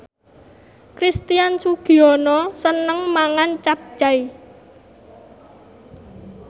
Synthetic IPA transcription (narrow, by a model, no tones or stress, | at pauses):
kɾist̪ijansuɡ̥i̤ɔnɔsənəŋmaŋant͡ʃap̚d͡ʒ̥ai